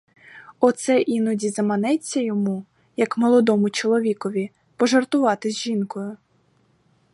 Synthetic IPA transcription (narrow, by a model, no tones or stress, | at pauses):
ɔt̪sɛʔinɔdʲizɐmɐnɛt͡sʲːɐjɔmu | jɐkmɔlˠɔd̪ɔmʊt͡ʃɔlˠɔʋʲikɔʋʲi | pɔʒɐrt̪ʊʋɑt̪ɪzʲʒinkɔjʊ